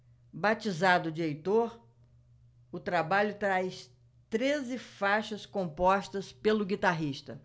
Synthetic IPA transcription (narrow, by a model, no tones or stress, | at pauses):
bat͡ʃizad̪ʊd͡ʒejt̪oɾ | ʊt̪ɾabaʎʊt̪ɾajs | t̪ɾezɪfaʃɐskõpɔʃt̪ɐspelʊɡit̪aɦiʃt̪ɐ